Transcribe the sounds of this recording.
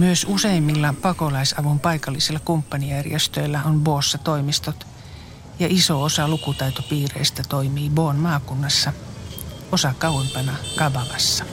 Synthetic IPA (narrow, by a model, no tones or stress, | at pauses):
myøsuseimːilːɑpɑkolɑisɑʋumpɑikɑlːiselːɑkumpːɑnijærjest̪øilːæonboːsːɑt̪oimist̪ot̪ | jɑʔisoosɑlukut̪ɑit̪opiːrḛist̪æt̪oimiːboːnmɑːkunːɑsːɑ | osɑkɑwempɑnɑkɑbɑʋɑsːɑ̥